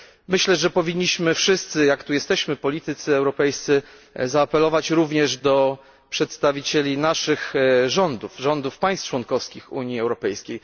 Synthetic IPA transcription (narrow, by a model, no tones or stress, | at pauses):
mɘɕlɛʐɛpɔvʲiɲːiɕmɘfʂɘst̪sɘjakt̪ujɛst̪ɛɕmɘpɔlʲit̪ɘt̪sɘɛwɾɔpɛjst̪sɘ | zaːpɛlɔvat͡ɕɾuvɲɛʐd̪ɔ | pʂɛt̪st̪avʲit͡ɕelʲinaʂɘxʐɔnd̪ufʐɔnd̪ufpaj̃st͡ʂwɔnkɔfskʲixṵɲiɛwɾɔpɛjskʲej